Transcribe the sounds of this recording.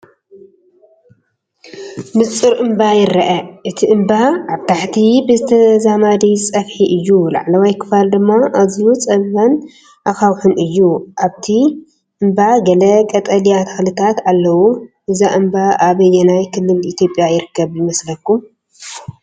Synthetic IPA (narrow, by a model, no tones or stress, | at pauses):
mɨt͡sʼɨɾʔɨmbajɪɾɐʔɐʔɨt̪ʰiʔɨmbaʔaβt̪ʰaħt̪ʰibɨzɨt̪ʰɐzamad̪it͡sʼɐfħiʔɨjːula̰ʕlawajkʰɨ̥fald̪ɨmːaʔazijut͡sʼɐβɐn | ʔaxawħunʔɨjːuʔaβt̪ʰi | ʔɨmbaɡɐlɐkʼɐt̪ʼɐlijat̪ʰɐ̥xlɨt̪ʰat̪alːɐwuʔɨzaʔɨmbaʔaβɨjɛnajkʰɨlːɨlit̪ʰjo̞pʼːjajɪɾɨkʰːɐβjɪmɐslɐkːum